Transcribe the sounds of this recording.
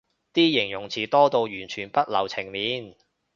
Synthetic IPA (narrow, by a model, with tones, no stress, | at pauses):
t̪iː˥jɪ˨˩ŋjʊ˨˩ŋt͡sʰiː˨˩t̪ɔː˥t̪o˧wjyː˨˩nt͡ʃʰyː˨˩npɐ˥t̚lɐ̰˨˩wt͡sʰɪ˨˩ŋliː˨˥n